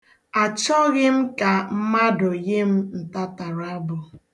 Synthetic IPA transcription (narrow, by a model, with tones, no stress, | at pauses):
a˨t͡ʃɔ˦ɣɪ˦m̩˦ka˨m̩˦ma˦dʊ˨je˦m̩˦n̩˨ta˦ta˨ɾa˦bʊ˨